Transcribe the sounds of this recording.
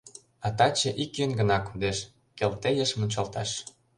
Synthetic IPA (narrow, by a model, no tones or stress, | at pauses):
ɑt̪ɑt͡ɕĕʔikːynɡə̆nɑkund̪eʃ | kelt̪ejəʃmə̆nʲt͡ɕɑlt̪ɑʃ